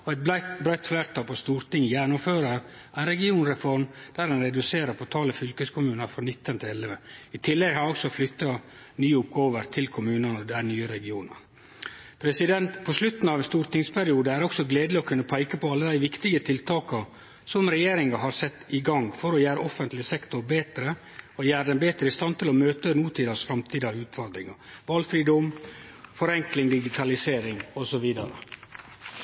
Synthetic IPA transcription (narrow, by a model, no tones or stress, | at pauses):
ɔɛt̪̚bɾæɪt̪flæːɾt̪ʰɑːlpʰɔst̪uːɾt̪ɪŋjɛnʊmføːɾəɾ | ʔæɪnɾɛɡɪuːnɾɛfɔɾmd̪̥æːɾɛnɾɛd̪ʉseːɾəɾpʰɔt̪ʰɑːləfʏlkəskʰʊmʉːnəɾfɾɑnɪt̪ːənt̪ʰɪlɛləʋəɪt̪ʰɪlːɛɡhɑɾɔksɔflʏt̪ːɑ | nyːʊpɡɑoːʋəɾt̪ʰɪlkʰʊmʉːnənɔd̪æɪnyːəɾɛɡɪuːnɑ̰ɾ | pʰɾɛsɪd̪ɛnt̪pʰɔslʉt̪nɑʋɛnst̪uːɾt̪ɪŋspʰæɾɪuːd̪əæɾɔksɔɡleːd̪lɪɔkʰʉnːəpʰæɪkəpʰɔɑlːəd̪æɪʋɪkt̪ɪɡət̪ʰɪlt̪ʰɑːkɑ | sɔmɾɛjeːɾɪŋɑɦɑɾsɛt̪ːɪɡɑŋfɔɾɔjæːɾəʔɔfənt̪lɪsɛkt̪ʊɾbeːt̪ɾə | ɔjæːɾəd̪ɛnbeːt̪ɾəɪst̪ɑnt̪ʰɪlɔmøːt̪ənuːt̪ʰiːd̪ɑsfɾɑmt̪ʰiːd̪ɑʉːt̪fɔɾd̪ɾɪŋɑʋɑlfɾiːd̪ɔmfɔɾɛŋklɪŋd̪ɪɡɪt̪ʰɑlɪseːɾɪŋɔsɔʋiːd̪ɑɾə̰